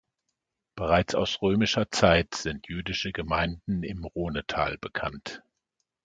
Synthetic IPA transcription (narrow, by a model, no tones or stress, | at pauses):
b̥əʁaɪt͡sa̰ʊsʁøːmɪʃɐt͡saɪtz̥ɪntʰjyːdɪʃəɡəmaɪndn̩ɪ̰mʁoːnətʰa̰ːlbəkʰant